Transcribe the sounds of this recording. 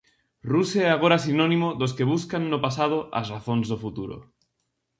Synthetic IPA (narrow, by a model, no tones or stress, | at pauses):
ruseeaɣ̞oɾas̬inõnimoðos̬keβ̞uskanːopasað̞oʔa̰zraθonzðofut̪uɾo̰